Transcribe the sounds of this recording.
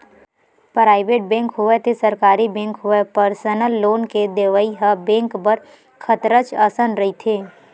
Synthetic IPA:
pɾaːɪʋeːʈ̚bẽːŋkɦʊet̪ʰesɐɾkaːɾibẽːŋkɦʊepəɾsənəlːoːnked̪eːʋəiɦəbẽːŋkpəɾ | kʰət̪ɾət͡ʃɐsənɾɐɦit̪ʰeː

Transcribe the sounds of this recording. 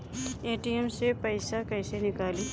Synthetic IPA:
eːʈiɛmsepəɪsakəɪsenɪkaːli

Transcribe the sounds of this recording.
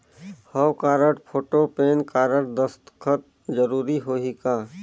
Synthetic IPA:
həwkaːɾəʈpʰoːʈopeːnkaːɾəʈ̚d̪əst̪kʰət̪̚ | d͡ʒəɾuːɾiɦoːɦikaː

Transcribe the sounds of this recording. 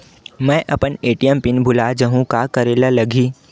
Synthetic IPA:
mɛ̃ːʔɐpəneːʈiəmpɪnbʱʊlad͡ʒəɦũkakɐɾeːlalɐɡʱiː

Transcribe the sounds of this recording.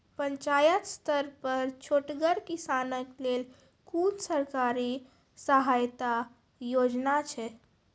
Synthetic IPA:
pəɲt͡ʃajət̪st̪əɾpəɾt͡ʃʰoʈɡəɾkisanəklel | kunsəɾkaɾi | səɦajt̪a | jod͡ʒnat͡ʃʰɛ

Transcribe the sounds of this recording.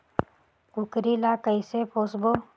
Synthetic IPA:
kʊkɾilakəisepʰoːsbo

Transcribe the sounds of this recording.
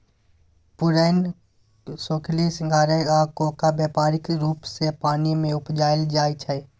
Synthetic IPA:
pʊɾəːn | soːkʰlisɪ̃ŋɡʱaːɾeaːkoːkabjeːpaːɾɪkɾuːpsepaːnimẽʊpd͡ʒaːɪld͡ʒaːjt͡ʃʰɛ

